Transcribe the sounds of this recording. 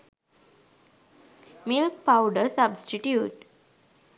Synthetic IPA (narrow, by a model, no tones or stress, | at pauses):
milk̚paʊɖəsabsʈiʈjuːʈ